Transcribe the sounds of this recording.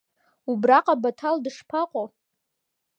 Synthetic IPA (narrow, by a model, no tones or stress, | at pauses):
ubraqʼabatʰaldɨʂpʰaqʷʼo